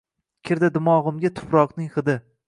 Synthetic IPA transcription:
kʲʰɪɾd̪ad̪ɪmɒʁɨmɡʲat̪ʰʊ̥pɾɒqnɪŋχɨd̪ɪ

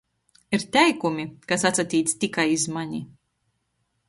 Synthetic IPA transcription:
iɾt̪ʲɛjkumikasat̪sat̪ʲiːt̪st̪ikajizmaɲi

